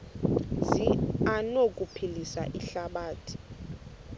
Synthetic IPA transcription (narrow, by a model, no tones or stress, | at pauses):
zianokʼupʰilisa̰ʔiɬaɓaːtʰi̥